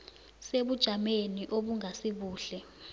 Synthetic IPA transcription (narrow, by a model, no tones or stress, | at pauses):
seɓud̥ʒ̥ʱameniʔoɓuŋasiɓuːɬɛ